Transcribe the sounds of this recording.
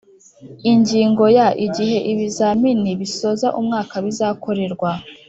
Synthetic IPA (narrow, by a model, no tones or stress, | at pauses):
iɲɟiːŋɡo̞jaʔiɟiɦe̞ʔiβizaminiβiso̞ːzaʔumŋaːkaβizaːkʰo̞ɾe̞ɾɡwa